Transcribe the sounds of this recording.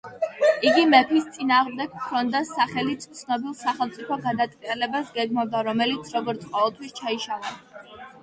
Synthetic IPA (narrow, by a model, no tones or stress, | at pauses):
iɡimɛpʰist̪sʼinaːʁmd̪ɛɡ̥kʰɾɔnd̪asaχɛlit̪t̪sʰnɔbilˠsaχɛlˠmt̪sʼipʰɔɡad̪at̪ʼqʼiɛlɛbasɡɛɡmɔvd̪aɾɔmɛlit̪sʰɾɔɡɔɾt̪sʰqʼɔvɛlˠt̪ʰwist͡ʃʰaiʃalˠa